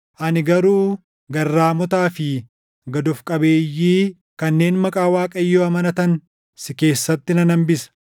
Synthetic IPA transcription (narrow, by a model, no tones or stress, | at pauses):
ʔɐnɪɡɐɾuː | ɡɐrːaːmɔt̪aːfɪ | ɡɐd̪ɔfkʼɐbe̞ːjːiː | kɐnːe̞ːnmɐkʼaːwaːkʼɐɪjːoːɐmɐnɐt̪ɐn | sɪke̞ːsːɐt̪ːɪnɐnɐmbɪsɐ̥